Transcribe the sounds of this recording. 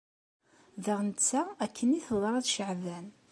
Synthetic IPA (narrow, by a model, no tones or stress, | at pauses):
ðəʁnət͡sːæækʰːəniθəðˤɾˤɑt͡sʃəʕvæn